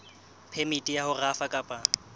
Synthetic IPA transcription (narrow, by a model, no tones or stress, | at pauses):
pʰemitʼijahʊrafakʼapʼa